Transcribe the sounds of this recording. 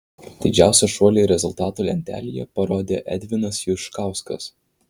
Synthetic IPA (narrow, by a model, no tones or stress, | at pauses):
d̪ʲɪd͡ʒʲæˑʊsʲɛʃuɔlʲeɾʲɛzʊlʲˠt̪ɑːt̪uːlʲɛ̰nʲt̪ʲæ̰ːlʲiːjɛ̰pɐɾoːd̪ʲeːʔɛ̰d̪ʲʋʲɪnɐsjʊʃkɑˑʊskɐs